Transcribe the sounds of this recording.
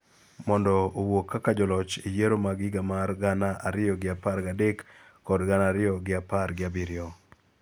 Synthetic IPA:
mɔndɔowokːakad͡ʒɔlɔt͡ʃejeɾomaɡɪɡamarɡanaʔaɾɪjɔɡɪaparɡadekː | ɔdɡanaɾɪɔɡɪapaɾɡɪabɪɾɪɔ

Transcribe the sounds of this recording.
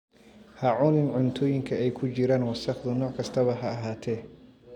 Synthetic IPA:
hɐʕʊnɪnʕʊnt̪ʰɔːjɪŋkʰɐɛjkʰʊt͡ʃɪɾaːnwɑsɐχd̪ʊnɔːʕkʰɐst̪ʰɐβɐɦɐɐɦaːt̪ʰɛ

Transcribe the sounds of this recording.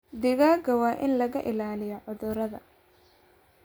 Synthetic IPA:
d̪ɪɣaːɡɐwɑːʔɪnlɐɣɐʔɪlaːlɪjɔʕɔðʊɾɐðɐ̰

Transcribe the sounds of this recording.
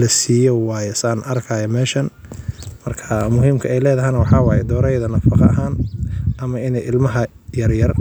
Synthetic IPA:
lɐsiːjɔwɑːjɛsaːnʔɐrkʰɐːjɐmɛːʃɐnmɐrkʰɐmʊɦiːmkʰɐɛjlɛːðɐɦɛjnɐwɑħɑːwɑːjɛd̪ɔːɾɛjðɐnɐfɑqɑ̰ɐ̰ɦaːnʔɐmɐɪnɛjʔɪlmɐɦɐ | jɐrjɐr

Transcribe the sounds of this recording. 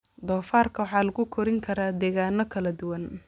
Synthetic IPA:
d̪ɔːfaːrkʰɐwɑħɑːlɐɣʊkʰɔɾɪŋkʰɐɾaːd̪ɛːɣaːnɔkʰɐlɐd̪ʊwɐn

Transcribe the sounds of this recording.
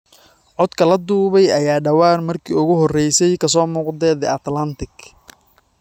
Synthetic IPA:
ʕɔd̪kʰɐlɐd̪uːβɛjɐjaːɖɐwaːrmɐrkʰḭːʊɣʊɦɔrɛjsɛjkʰɐs̬ɔːmuːqd̪ɛːd̪ɛɐt̪lɐnt̪ɪɡ

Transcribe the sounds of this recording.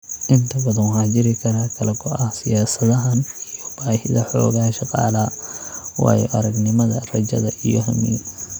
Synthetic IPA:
ʔɪnt̪ʰɐbɐðɐnɦaːd͡ʒɪɾɪkʰɐɾaːkʰɐlɛkʰɔɐhsɪjaːsɐðɐɦɐnjɔb̥aːhɪðɐħɔ̰ːɣɐʃɑqɑ̰ːlɐ | wɑ̰ːjɔ̰ʔɐɾɐɡnɪmɐðɐrɐd͡ʒɐ̰ðɐʔijɔɦɐ̰mḭːn

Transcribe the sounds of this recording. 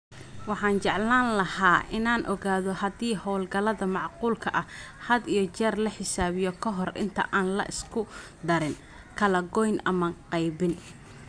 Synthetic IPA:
wɑħɑːnt͡ʃɛʕlaːnlɐhaːʔɪnaːnʔɔɣaːðɔhɐd̪iːhɔwlɡɐlɐðɐmɑʕquːlkʰɐʔɐhɐd̪ijɞt͡ʃɛːrlɐħɪsaːβɪjɔkʰɔɦɔrɪ̰nt̪ʰɐ̰ʔaːnlɐ̰ʔɪskʰʊ | d̪ɐɾɪn | kʰɐlɐɡɔjnʔɐmɐqɑjbɪn

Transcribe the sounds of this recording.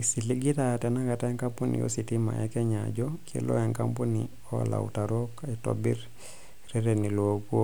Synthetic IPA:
isiliɡitatɛnakataŋkampunḭjo̰sitima̰ʔɛkɛɲa̰d͡ʒɔkʰḛlo̰ɛŋkampuni | ɔa̰la̰wṵtaɾokaito̰bḭɾ | ɾɛɾɛnilokuo

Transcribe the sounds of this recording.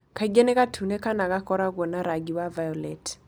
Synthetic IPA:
kaɡenɛkatʰunekanakakɔɾaɡonaɾaɡiwavajɔlɛt

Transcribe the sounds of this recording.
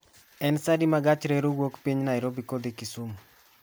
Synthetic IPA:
ɛnsadimaɡat͡ʃɾeɾuɡwokpiɲnaɪɾobikod̪ekisum

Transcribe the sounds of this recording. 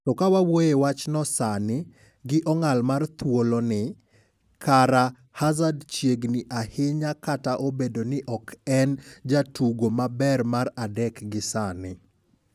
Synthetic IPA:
tɔkawawojewat͡ʃnɔsanɪ | ɡɪʔɔŋalmart̪ʰwolɔnɪ | kʰaɾa | hazadt͡ʃjeɡnɪʔahɪɲakataʔobedonɪʔɔkɛnd͡ʒatuɡomabɛrmaradɛkɡɪsanɪ

